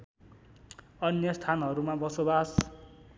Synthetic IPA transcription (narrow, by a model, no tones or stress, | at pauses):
ʌnjʌst̪ʰanɦʌɾumabʌsobas